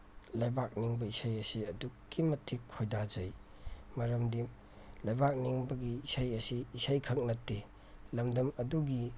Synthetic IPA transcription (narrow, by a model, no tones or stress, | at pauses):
lɐjbak̚niŋbɐisajɐsiɐdukːimɐtʰːikʰːojdad͡ʒɐj | mɐɾɐmdim | lɐjbak̚niŋbɐɡiːsajɐsiːsajkʰɐk̚nɐtːe | lɐmdɐmɐduɡi